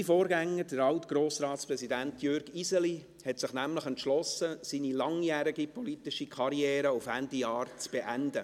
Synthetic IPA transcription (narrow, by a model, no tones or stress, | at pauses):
ifoːɾɡɛŋːəd̥əɾɑʊtɡ̥ɾoːsɾɑːtspɾɛzidæntjøɾɡ̥izɛli | hɛtsɪχnæmləχɛntʃlɔsəsiːnilɑŋjæːɾiɡipʰɔlitɪʃikʰχɑɾiɛːɾəufændijɑːɾt͡sb̥eʔænd̥ə